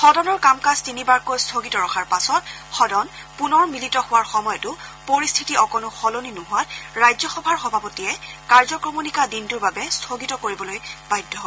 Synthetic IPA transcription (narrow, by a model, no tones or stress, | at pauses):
xɔdɔnɔɹkamkastinibaɹkojstʰoɡitɔɹɔxʰaɹpasɔtxɔdɔn | punɔɹmilitɔhʊwaɹxɔmɔjɔtʊpoɹistʰitiɔkɔnʊxɔloninʊɦʊatɹajzɔxɔbʱaɹxɔbʱapotijɛkaɹzɔkɹomunikadintʊɹbabɛstʰoɡitɔkoɹibɔlojbajdʱːɔɦɔ